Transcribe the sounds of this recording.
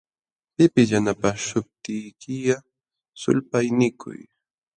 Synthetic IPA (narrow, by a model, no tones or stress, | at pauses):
pɪpɪsjanapaʃʊp̚t̪ɪjkɪja | sʊ̰lpajnɪkʰʊ̰j